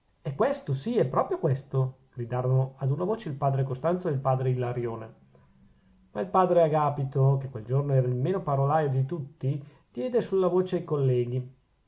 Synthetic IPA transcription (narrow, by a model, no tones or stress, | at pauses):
ɛkːwɛst̪osiɛpːɾɔːpɾjokwɛst̪oɡ̥ɾid̪aːɾonoad̪unavoːt͡ʃeilpaːd̪ɾekost̪ant̪soeilpaːd̪ɾeilaɾjoːne | mailpaːd̪ɾeaɡaːpit̪okekːweld͡ʒornoɛːɾailmeːnopaɾolaːjod̪it̪ut̪ːi | d̪̥jɛːd̪esulːavoːt͡ʃeajkolːɛːɡi